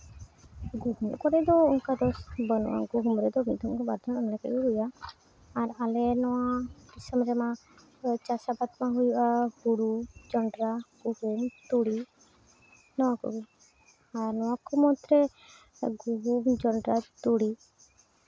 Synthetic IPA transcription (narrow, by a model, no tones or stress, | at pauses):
ɡuhumkɔɾɛd̪ɔuŋkad̪ɔsbənɔ̰ʔa̰ɡuɦumɾɛd̪ɔmid̪umkɔbaɾd̪ɔnanlɛkɛ̰ʔuɦujaː | ɾalɛnɔwabisəmɾɛma | t͡ʃasabat̪maɦujuʔaɡuɽud͡ʒɔɳɖɾaɡ̥uhumt̪uɽi | nɔwakɔ̰ɡi | aɾnɔwakɔmɔt̪ɾɛ | ɡuɦumd͡ʒɔɳɖɾat̪uɽi